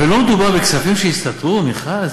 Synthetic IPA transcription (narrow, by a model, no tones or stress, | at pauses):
elo̞med̪ubaʁbeksafimʃeist̪at̪ʁumiχaz